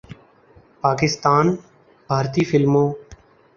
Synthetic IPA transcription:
paːkɪst̪aːn | bʱaːɾt̪iːfɪlmõː

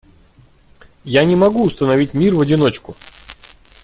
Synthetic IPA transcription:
janʲɪmɐɡuʊst̪ənɐvʲitʲmʲirvədʲɪno̞t͡ɕkʊ

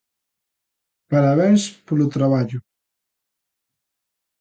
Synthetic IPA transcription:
paɾaβɛnspolut̪ɾaβaʎu

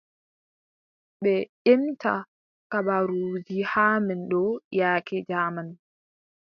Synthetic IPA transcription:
ɓɛʔimta̰ | kaɓaɾuːd͡ʒihaːmɛnɗɔjaːkɛd͡ʒaːman

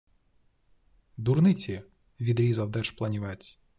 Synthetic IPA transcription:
d̪urnɪt͡sʲi | ʋʲid̪ɾʲizɐwd̪ɛʃplˠɐnʲiʋɛt͡sʲ

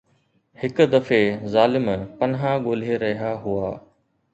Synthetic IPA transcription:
hɪkʊd̪ɐfezaːlɪmpɐnɦãɠoːl̤eɾɐɦiaɦuaː

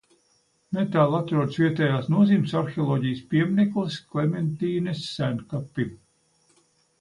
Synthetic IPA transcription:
met̪aːlˠat̪ɾuɔd̪svʲiɛt̪ɛːjaːsnuɔziːmsaɾxeɔlˠɔːɟijspiɛmnɛkulˠsklɛment̪iːnesːænkapːim

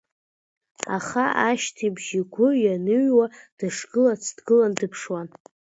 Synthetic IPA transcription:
a̰χaaʃtʰibʒiɡʷʊjanɨɥwad̥ɨʂɡɨlat͡sʰdɡɨlandɨpʰʂwan

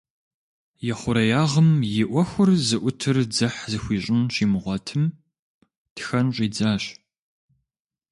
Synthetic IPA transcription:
jɛχʷʊɾɐjaːʁəmjɪʔʷɔxʷʊrzɨʔʷʊtʰɨrd͡zɐħzɨxʷiːɕʼɪnɕiːmɨʁʷɔtʰɨm | txɐnɕʷʼiːd͡zaːɕ

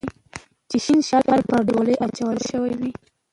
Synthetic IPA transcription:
t͡ʃɪʃinʃɑlɑlpəɾɖoləjʔat͡ʃawəlʃəwajwi

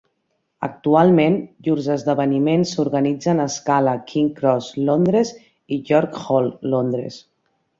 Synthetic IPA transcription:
ə̰k̚t̪ualˠmenʎuɾzəzðəβənimensuɾɣənid͡zənəskaləkʰiŋkɾɔzlond̪ɾez | iʒɔɾkxɔlˠːond̪ɾḛs

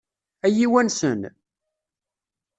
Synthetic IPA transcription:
æjiwænsən

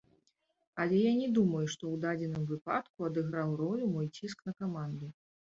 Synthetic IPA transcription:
ɐlʲɛjanʲɛd̪umɐjuʂt̪ɔwd̪ad͡zʲɛnɨmvɨpa̰t̪kuɐd̪ɨɣɾawrɔlʲumɔjt͡sʲisknɐkamand̪ɨ

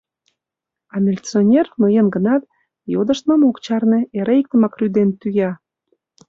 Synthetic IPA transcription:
ɑmʲilʲt͡sonʲernəjenɡə̆nɑt̪̚ | jod̪əʃt̪məmokt͡ɕɑrneeɾeik̚t̪əmɑkryd̪ent̪yjɑ

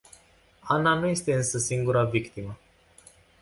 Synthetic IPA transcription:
ananuje̞st̪e̞ɨnsəsiŋɡuɾavikt̪imə

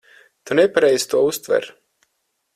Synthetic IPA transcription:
t̪unɛpaɾɛjz̥t̪uɔust̪vɛ̰ɾ

